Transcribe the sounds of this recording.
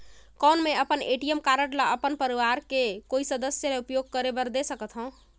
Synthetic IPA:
kənmeəpəneʈijəmkaɾəʈlaəpənpəɾiʋaɾkekoisəd̪əsjəleupjoɡ̚kəɾebəɾd̪esəkət̪ɦə̃ʊ̃

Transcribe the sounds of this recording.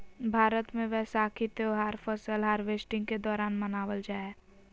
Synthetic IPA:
bʱaːɾət̪mẽʋɛːsaːkʰit̪eoɦaːɾfʰəsəlɦaːɾʋeːsʈɪ̃ŋɡked̪ɔːɾaːnmənaːʋəld͡ʒaːe

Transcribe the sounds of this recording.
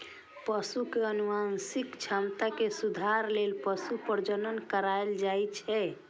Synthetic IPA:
pəsukeənuansikt͡ʃʰamt̪akesud̪ʱaɾlelpəsupəɾd͡ʒənənkəɾaeld͡ʒajt͡ʃʰɛ

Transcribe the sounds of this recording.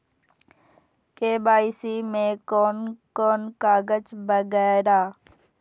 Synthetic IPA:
keːbaːɪsimẽkoːnkoːnkaːɡəd͡ʒbəɡɛːɾaː

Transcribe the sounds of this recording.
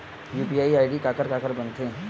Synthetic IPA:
juːpiaːiaːiɖikaːkəɾkaːkəɾbənt̪ʰẽ

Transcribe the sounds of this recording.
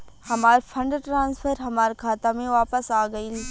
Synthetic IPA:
hɐmaːɾfʰɐ̃ɳɖʈɾãːnsfʰəɾɦɐmaːɾkʰaːt̪amẽʋaːpəsaːɡɐi

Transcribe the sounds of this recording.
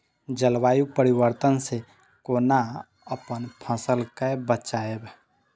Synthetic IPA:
d͡ʒəlwaːjupəɾiwəɾt̪ənse | koːna | əpənpʰə̃səlkebət͡ʃaeb

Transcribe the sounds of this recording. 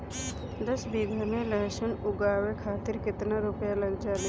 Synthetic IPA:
d̪əsbiːɡʱəɾmẽlɛːʃənʊɡaːwekʰaːt̪ɪɾkɪt̪naɾʊpjalɐɡd͡ʒaːle

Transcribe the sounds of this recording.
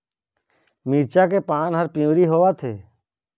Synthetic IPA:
miːɾt͡ʃakepaːnɦəɾpɪ̃ũːɾiɦoːʋat̪ʰeː

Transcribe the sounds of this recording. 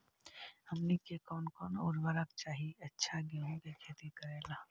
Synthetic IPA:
hɐmnikekɔːnkɔːnʊɾʋəɾək̚t͡ʃaːɦiɐtːʃʰaɡeɦõɡekʰeːt̪ikɐɾeːlaː

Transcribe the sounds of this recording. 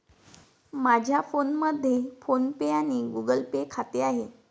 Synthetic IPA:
mad͡ʑʱjafonməd̪ʱːjefonpeaɽ̃iɡuɡəlpekʰat̪eaɦe

